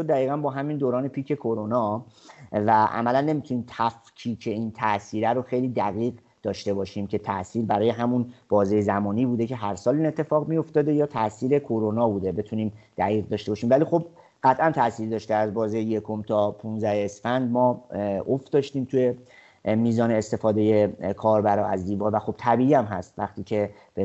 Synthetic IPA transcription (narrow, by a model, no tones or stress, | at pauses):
od̪æɣiːɣænbɒːɦæmind̪oːɾɒːne̞pʰiːcʰe̞kʰoɾonɒ | væʔæ̰mælænːe̞mit̪uniːmt̪ʰæfcʰiːcʰe̞iːnt̪ʰæʔsiːɾæɾoxejliːd̪æɣiːɢ | d̪̥ɒːʃt̪e̞bɒːʃiːmcʰe̞t̪ʰæʔsiːɾbæɾɒːje̞ɦæmunb̥ɒːzejezæmɒːniːbuːd̪e̞cʰe̞ɦæɾsɒːliːnet̪ʰːe̞fɒːɣmijo̞ft̪ɒːd̪e̞jɒːt̪ʰæʔsiːɾe̞kʰoɾonɒːbuːd̪e̞be̞t̪ʰuniːmd̪̥æɣiːɣd̪ɒːʃt̪ebɒːʃiːmvæliːxo̞b | ɢ̥æt̪ʰʔænt̪ʰæʔsiːɾd̪ɒːʃt̪eæzbɒːzejeje̞kʰo̞mt̪ʰɒːpʰunzæheːsfænd̪̚mɒːofd̪̥ɒʃt̪iːmt̪ʰuje̞ | miːzɒːneːst̪e̞fɒːd̪e̞je̞kʰɒːɾbæɾɒːæzd̪iːvɒːɾvæxo̞b̥̚t̪ʰæbiːʔiːæmɦæst̪væχt̪iːcʰe̞ | b